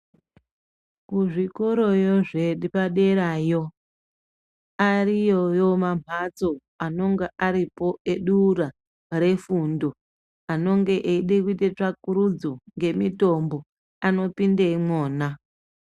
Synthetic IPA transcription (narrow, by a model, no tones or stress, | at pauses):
kuʐiko̞ɾo̞jo̞ʐeɗipaɗe̞ɾaːjo̞ | arijojo̞mam̤at͡so̞ | ano̞ŋɡaʔaɾipo̞e̞ɗuːɾa | ɾe̞fundo̞ | ano̞ŋɡe̞ʔeiɗekuitet͡ʂakuɾud͡zoŋɡe̞mito̞mbo̞ | ano̞pindeimoːna